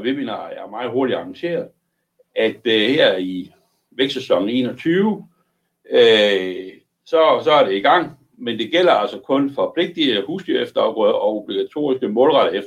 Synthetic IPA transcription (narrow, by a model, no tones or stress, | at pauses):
ʋe̝binɐjɑmɑ̈ːð̩ˠɦo̝ɐɾ̥idɑ̈ɑŋɕe̝̰ːɐð̩ˠ | æd̥heɐ̰i | ʋeɡ̥sesɒ̽ŋ̰e̝̰ːnɒ̽t͡sʰyːʊ | ø | sɒ̽sɒ̽æɐɾ̥e̝iɡ̥ɑ̈ŋ̰ | mend̥e̝ɡ̥el̰ɐælsɒkʰɔ̽nfɒ̽pʰle̝ɡ̥̚d̥iəhuːsd̥yɐefd̥ɐ̥ɒ̽ob̥liɡ̥æt͡sʰo̝̰ːisɡ̥əmɔ̰̽ːlʁɑ̈ɾ̥əef